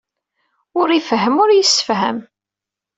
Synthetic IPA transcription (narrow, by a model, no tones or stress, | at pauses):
ʊɾifɦəmʊɾjəsːə̥fɦæ̰m